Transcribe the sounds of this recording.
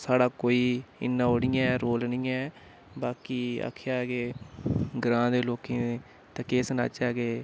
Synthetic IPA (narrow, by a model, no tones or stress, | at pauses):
saːɽaːkoːiːɪ̰nːãːoːɽiːɛ̃ːɾoːlnĩːɛː | baːkiːa̰ːkʰjaːɡeː | ɡɾãːd̪eːloːkẽː | t̪eːkeːsna̰ːt͡ʃaːɡeː